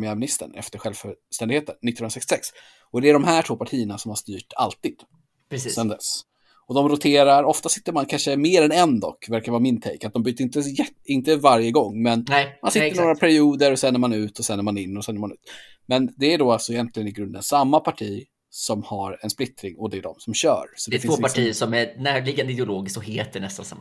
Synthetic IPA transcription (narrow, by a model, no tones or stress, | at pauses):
mɪæːɾmɪnɪst̪ə̰ɳɛ̰ft̪əɾɧɛlvfœst̪ɛnd̪ɡheːt̪ənːɪt̪ːɵnɾasɛkst̪ɪsɛks | ɔd̪ɛæɖɔmɦæːʈʰvoːpʰaʈʰiːənasɔmhaʂt̪yːʈa̰lt̪iːd̪̥ | sɛnd̪ɛ̰s | ɔd̪ɔmɾʊt̪ʰeːɾaɾɔft̪asɪt̪ːəɾmankʰanʂəmeːɾɛnɛnd̪ɔ̰kːvæɾkaɾvɑːɾamɪnt̪ʰɛ̰jkat̪̚d̪ɔmbɾyːt̪əɾɪnt̪əjɛt̪ɪnt̪əvaɾjəɡɔŋːmɛnmansɪəɾnoːɾapʰæɾɪuːd̪əɾɔsɛnːəɾmanʉ̟ːt̪ɔsɛnːəɾmanɪnːɔsɛnːəmanʉ̟ːt̪ | mɛnd̪ɛæɖoalsɔɛjɛnt̪lɪɡənɪɡɾɵnd̪ə̰nsamːapʰaʈʰiː | sɔmhaɾɛnsplɪt̪ɾɪŋɔd̪ɛæɖɔ̰msɔmɕœ̰ːɾsɔd̪ɛtfɪnvːpasʈʰiːəsɔmænæːɾɭɪɡand̪ɪd̪ɛʊloːɡɪskt̪ɔheːt̪̚d̪ɛnɛst̪a̰nsa̰m